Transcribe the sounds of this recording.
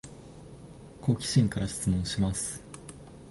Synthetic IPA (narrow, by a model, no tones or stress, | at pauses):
kʰo̞kʲi̥ɕĩŋkaɾaɕi̥t͡sɨmõ̞ɰ̃ɕimasɨ̥